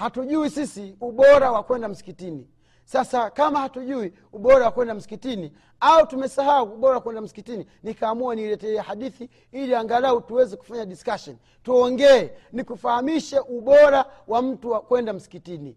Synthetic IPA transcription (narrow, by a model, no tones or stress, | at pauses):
hatuʄuwisisiuɓɔɾawakwɛndam̩si̥kitini | sasakamahatuʄui | uɓɔɾawakwɛndam̩si̥kitini | autumɛsaɦauːɓɔɾawakwɛndam̩si̥kitini | nikaːmuanilɛtɛɛhaɗiθi | iliaŋɡalautuwɛzɛku̥faɲaɗiskaʃɔn | tuɔŋɡɛɛnikufahamiʃɛʔuɓɔɾawam̩tuwakwɛndam̩si̥kitini